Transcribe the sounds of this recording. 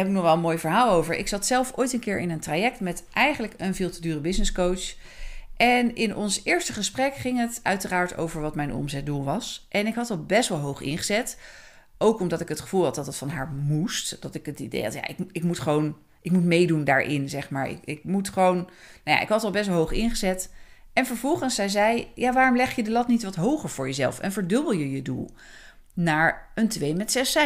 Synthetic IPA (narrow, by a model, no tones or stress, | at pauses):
ɛbɪknɔχʋɛlˠənmojvəɹɦaːlˠowvəɹɪ̰ksɑtsɛlˠfo̰ːjtənkɪːɹʔɪnəntrajɛk̚tmɛtʔɛjχənləkənvɪːlˠtədyːrəbɪsnɪskowts | ʔɛnɪnɔnsɪːɹstəχəsprɛkχɪŋətœɥtəraːɹto̰wvəɹʋɑtmɛjnʔɔ̰mzɛt̚dulˠʋɑsʔɛnɪkɦɑtɑlˠbɛstʋɑlˠɦowχɪ̰nχəzɛt | ʔowkɔmdɑtɪkɦətχə̥v̥ulˠɦɑt̚dɑtətfɑnɦaːɹmustd̥ɑtɪkətidḛjɑ̰tja̰ʔɪkɪkmutχəʋown | ʔɪkmutmejdundaːɹʔɪ̰nzɛχmaːɹɪ̰kɪk̚mutχəʋown | noja̰ʔɪkɦɑtɑlˠbɛst̬ʋɑlˠɦowχɪnχəzɛtɛnvəɹvɔlˠχənsɛjzɛjjaːʋaːrɔmlɛχjədəlɑtnitʋɑtɦowχəɹv̥ʊːɹjəzɛ̰lˠfɛ̰nvəɹdɵbəlˠjəjədṵlˠ | naːɹəntʋejmɛtsɛsɛ